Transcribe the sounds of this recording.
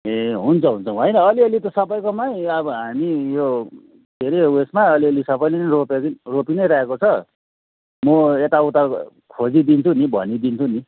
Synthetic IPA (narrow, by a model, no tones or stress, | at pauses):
eɦunt͡sʰʌɦunt͡sʰʌ̃ɦʌjnʌʌliʌlit̪ʌsʌbʌjkomajʌbʌɦamijo | d̪ʱeɾewesmaʌliʌlisʌbʌjleniropekropinʌjɾaekot͡sʰʌ | mʌet̪aut̪akʰod͡zid̪int͡sʰũnibʱʌ̰nid̪int͡sʰuni